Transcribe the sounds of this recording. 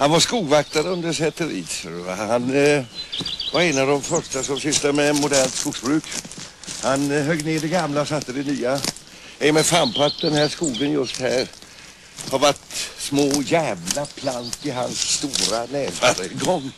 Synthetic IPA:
hanvaʂkuːɡvak̚t̪aɾəɵnd̪əʂɛt̪əɾḭːshan | vaɾɛnavd̪ɔmfœʂʈasɔmsʏst̪amɛːnmʊd̪æːɳskʊɡsbɾʉ̟ːk | hanɦœɡneːɖɛɡamlaɔsat̪ːəd̪ɛnyːa | ɛjmɛfampat̪̚d̪ɛnhæːʂkuːɡənjɵst̪hæːɾ | haɾvaʈsmoːjæːvlapʰlant̪ɪɦa̰nsːt̪uːɾanæːvaɾəɡɔŋː

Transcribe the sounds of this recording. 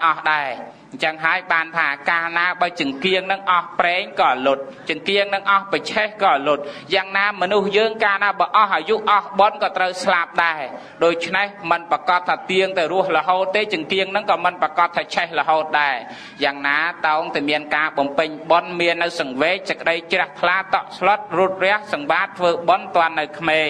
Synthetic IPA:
ŋʔɑhɗaɛ | ɲt͡ɕəŋɦaəjɓaːnt̪ʰaːkaːnaːɓat͡ɕɨəŋkiəŋnɨŋʔɑhprɛːŋkɑːʔalʊt̪̚t͡ɕɨəŋkiəŋnɨŋʔɑhpət͡ɕʰehkɑːʔalʊt̪̚jaːŋnaːmɔnuhjəːŋkaːnaːɓaʔɑhʔaːjuʔʔɑhɓonkɑːt̪rəwslap̚ɗaɛ | ɗoːc̚t͡ɕʰnehmɨnpakɑt̪ʰːaːt̪iəŋt̪awɾʊəhlə̆ɦoːt̪ːeːt͡ɕɨəŋkiəŋnɨŋkɑːmɨnpakɑt̪ʰːaːt͡ɕʰɛhləɦoːt̪̚ɗaɛ | jaːŋnaːt̪aɔŋt̪amiənkaːɓɑmpɨɲɓonmiənːɨwsɑŋʋeːk̚səkːəɗəjt͡ɕrɛ̆əht̪ʰlaːt̪ɑʔsloət̪̚ruət̪̚rɛ̆əhsɑŋʋaːt̪ʰːʋəːɓont̪ŏənːɨwkʰmeː

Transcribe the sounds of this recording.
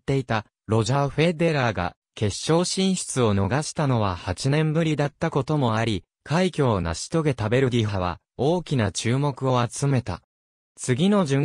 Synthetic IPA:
t̪ːe̞it̪a | ɾo̞ʑaɸe̞d̪e̞ɾaɡa̰ | ke̞ɕːo̞ːɕĩɰ̃ɕi̥t͡sɨo̞no̞ɡaɕi̥t̪ano̞β̞ahat͡ɕinẽ̞mbɯ̟ɾʲid̪at̪ːako̞t̪o̞mo̞aɾʲi | kʰaikʲo̞ːna̰ɕi̥t̪o̞ɡe̞t̪abe̞ɾɯ̟dʲiɸaβa̰ | o̞ːkʲinat͡ɕɨːmo̞kɯ̟o̞at͡sɨme̞t̪a̰ | t͡sɨɡʲino̞ʑɨ̃

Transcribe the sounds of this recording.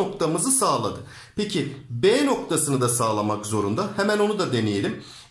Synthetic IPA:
o̞kt̪ʰamɯzɯsaːlˠad̪ɯ | pecʰibeːno̞k̚t̪ʰasɯnɯd̪asaːlˠamakzo̞ɾund̪ahɛmæno̞nud̪ad̪e̞nejelʲim

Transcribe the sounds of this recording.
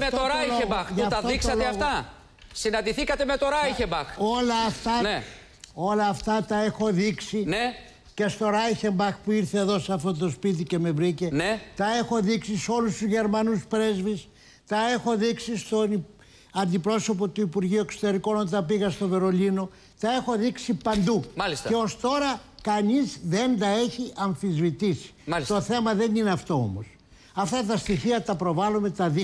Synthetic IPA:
meoɾɐjoeɣmbɐxʝuft̪ɐoikst̪sɐlt̪eɐfɣt̪ɐ | sinɐnd̪iθikɐt̪eme̞t̪oɾɐjçembɐxo̞lɐːft̪ɐe | o̞lɐːft̪ɐt̪ɐe̞xo̞ðiksine | ce̞st̪o̞ɾɐjçe̞mbɐxpuiɾθe̞ːðo̞sɐft̪o̞t̪̬o̞spit̪̬ice̞me̞vɾice̞net̪ɐe̞xo̞ðiksiso̞lust̪uzʝe̞ɾmɐnuspɾe̞zvis | t̪ɐe̞xo̞ðiksist̪oni | ɐnd̪ipɾo̞so̞po̞t̪uipuɾʝiue̞kso̞t̪e̞ɾiko̞nont̪ɐpiɣɐst̪o̞ve̞ɾo̞lino̞ | t̪ɐe̞xo̞ðiksipɐnd̪uɐliseo̞st̪o̞ɾɐkɐnizðe̞nd̪ɐe̞çiʔɐɱfizvit̪isi̥t̪o̞θe̞mɐðe̞nineɐft̪o̞o̰mo̞̰s | ɐft̪ɐt̪ɐst̪içiɐt̪ɐpɾo̞vɐlume̞t̪ɐði

